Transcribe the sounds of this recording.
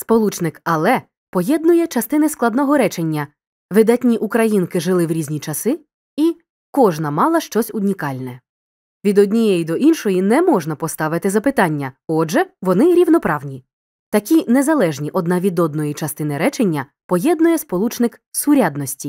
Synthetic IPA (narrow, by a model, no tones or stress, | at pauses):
spɔlˠut͡ʃnɪkɐlˠɛ | pɔjɛd̪nʊjɛt͡ʃɐst̪ɪnɪsklˠɐd̪nɔɦɔɾɛt͡ʃenʲːɐ | ʋɪd̪ɐtʲnʲiʔukɾɐjinkɪʒɪlˠɪwɾʲizʲnʲit͡ʃɐsɪ | i | kɔʒnɐmɑlˠɐʃt͡ʃɔsʲʊnʲikɑlʲnɛ | ʋʲid̪ɔdʲnʲijɛjid̪ɔʔinʃɔjinɛmɔʒnɐpɔst̪ɑʋɪt̪ɪzɐpɪt̪ɑnʲːɐɔʒɛʋɔnɪɾʲiwnɔpɾɑwnʲi | t̪ɐkʲinezɐlˠɛʒnʲiʔɔd̪nɑʋʲid̪ɔd̪nɔjit͡ʃɐst̪ɪnɪɾɛt͡ʃenʲːɐ | pɔjɛd̪nʊjɛspɔlˠut͡ʃnɪksʊɾʲad̪nɔsʲtʲi